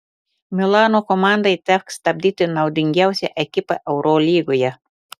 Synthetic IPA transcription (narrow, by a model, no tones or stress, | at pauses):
mʲɪlˠɑːnoːkɔmɑˑnd̪ɐɪt̪ʲækst̪ɐbʲd̪ʲiːt̪ʲɪnɐʊd̪ʲɪŋʲɡʲæˑʊsʲɛʔɛkʲɪpɐʔɛʊɾoːlʲiːɡoːjɛ